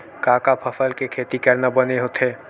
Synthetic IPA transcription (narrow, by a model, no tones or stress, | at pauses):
kaːkapʰəfʰəlkekʰeːt̪ikəɾnabəneɦot̪eː